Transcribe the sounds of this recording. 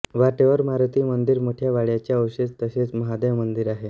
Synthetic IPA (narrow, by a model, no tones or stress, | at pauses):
ʋaʈeʋəɾmaɾt̪iːmənd̪iɾmoʈʰjaʋaɭjat͡ɕjaəwɕet͡st̪əɕet͡sməɦad̪eʋmənd̪iɾaɦe